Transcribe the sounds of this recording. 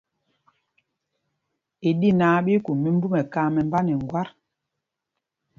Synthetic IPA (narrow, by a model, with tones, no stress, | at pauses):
i˨di˦naː˨˦ɓi˦ku˨mi˦m̩˦bu˦mɛ˨ka˦mɛ˨m˦ba˦nɛ˨ŋ˨ɡwa˦ɾ